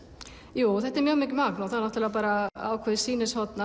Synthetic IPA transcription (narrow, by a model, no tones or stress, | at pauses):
juːθɛht̪ɛɾmjœːɣmɪːcʏmaknawθaðnɔht̪ɪlaðpaːɾaa̰ːwkʰɛːðɪsiːnɪshɔt̪na